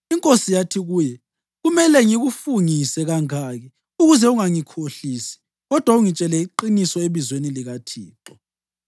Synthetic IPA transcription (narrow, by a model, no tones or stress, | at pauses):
iŋkʼosijatʰiɣuːjɛ | ɣumɛlɛŋiɣufuŋisɛɣaŋaːɣɛ | uɣuzɛuŋaŋikʰoɬisi̥ | ɣɔd̥ʱwauŋit͡ʃʼɛlɛiǃinisɔeβizweniliɣatʰiːǁɔ